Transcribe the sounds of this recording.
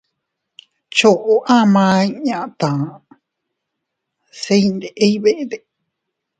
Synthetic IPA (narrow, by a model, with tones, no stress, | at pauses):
t͡ʃo˨ʔo˦ʔã˦mã˧i˧ɲã˨ʔt̪ã˨ | se˧ind̪e˨ʔe˦iβe˦ʔe˦d̪e˨